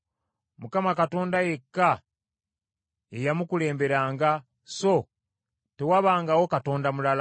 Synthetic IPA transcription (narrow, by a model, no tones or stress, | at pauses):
mukamakato̞ːndaje̞kːa | ejamukule̞ːmbe̞ɾaːŋɡa | so̞ | tewaβaːŋɡawo̞kato̞ːndamulal